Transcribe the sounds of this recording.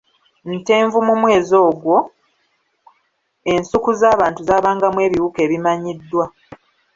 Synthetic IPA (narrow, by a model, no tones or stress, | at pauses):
nte̞ːɱvumumwe̞ːzo̞ːɡwo̞ | e̞nsukuzaːβaːntuzaːβaːŋɡamwe̞ːβiuke̞ːβimaɲidːwa